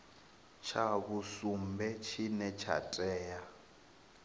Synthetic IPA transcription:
t͡ʃʰaβusumbɛt͡ʃʰinɛt͡ʃʰa̰tʼɛːja

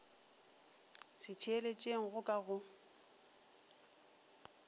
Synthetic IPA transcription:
sɪtʰielet͡ʃʼeŋ̩ɣʊkʼaɣʊ

